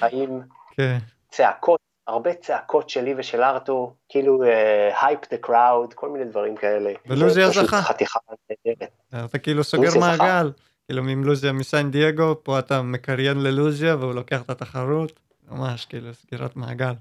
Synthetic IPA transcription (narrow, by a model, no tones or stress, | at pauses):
haʔim | kʰen | t͡seakʰot | aʁbet͡seakʰo̞tʃeliveʃelaʁt̪okiluehajpd̪ekʁawdkʰo̞lminejd̪vaʁimkaeleveluzjazauχaχat̪iχaedeʁet̪̚ː | at̪akeiluso̞ɡeʁmaɡal | kiːlumimluzjamisand̪ieɡo̞po̞atamekaʁjenleluzijaveulo̞ke̞aχet̪at̪aχaʁut̪ | ma̰maʃkiiːlusɡiʁa̰tmaɡal